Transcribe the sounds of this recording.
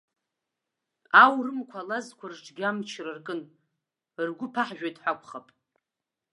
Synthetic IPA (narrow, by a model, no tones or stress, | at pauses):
awrɨmkʷʰalazkʷʰarʈ͡ʂʼɡʲamt͡ʃʰrɨrkʼɨn | rɡʷʊpʰaħʒᶣajtʼħʷakʷʰʼχapʼ